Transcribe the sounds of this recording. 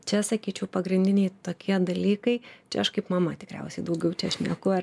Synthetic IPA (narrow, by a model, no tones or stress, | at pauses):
t͡ʃʲɛsɐkʲiːt͡ʃʲɛʊpɐɡɾʲɪnʲd̪ʲɪnʲɛɪt̪oːkʲiɛd̪ɐlʲiːkɐɪt͡ʃʲɛɐʃkɐɪpmɐmɐt̪ʲɪkɾʲɛ̰ʊsʲɛɪd̪ɐʊɡʲɛʊt͡ʃʲɛɐʃnʲiɛkʊɐ